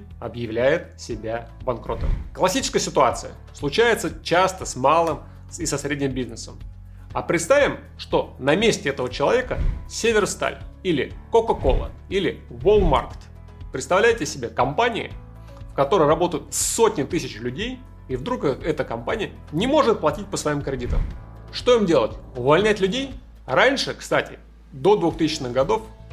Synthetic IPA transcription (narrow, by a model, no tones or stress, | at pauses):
ɐbjɪvlʲæjɪt̪sʲɪbʲa | bɐnkɾo̞̰t̪əmklˠɐsʲit͡ɕɪ̥skəjəsʲɪt̪ʊat̪sɨjə | slˠʊt͡ɕæjɪt̪sət͡ɕast̪əsʲmalˠɨm | sɪsɐsɾʲedʲnʲɪmbʲiznɨsəm | ɐpɾʲɪt̪st̪avʲɪm | ʂt̪o̞nɐmʲesʲtʲɪɛt̪əvət͡ɕɪlˠɐvʲe̞kəsʲevʲɪrst̪a̰lʲilʲɪkokɐko̞̰lˠə̰ilʲɪvolˠma̰rkʲt̪ | pɾʲɪt̪st̪ɐvlʲæjɪtʲɪsʲɪbʲe̞kɐmpanʲɪɪ̰ | fkɐt̪o̞ɾəjrɐbo̞t̪əjʊt̪so̞tʲnʲɪt̪ɨsʲɪt͡ɕlʲʉdʲej | ivd̪ɾukɛt̪əkɐmpanʲɪjə | nʲɪmo̞ʐɨt̪̚plˠɐtʲit̚ʲpəsvɐimkɾʲɪdʲit̪ə̰mʂt̪o̞imdʲe̞lˠətʲʊvɐlʲnʲætʲlʲʉdʲej | ranʲʂɨkst̪atʲɪ̰ | d̪o̞d̪vʊxt̪ɨsʲɪt͡ɕnɨxɡɐd̪o̞f